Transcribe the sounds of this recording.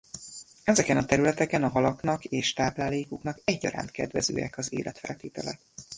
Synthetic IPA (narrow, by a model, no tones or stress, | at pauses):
ɛzɛkɛnɒt̪ɛɾylɛt̪ɛkɛnɒɦɒlɒknɒkeːʃt̪aːplaːleːkuknɒkɛɟːɒ̰ɾa̰ːnt̪kɛ̰d̪ʋɛzø̰ːjɛ̰kɒzḛːlʔɛt̪fɛ̰lt̪eːt̪ɛlɛt̪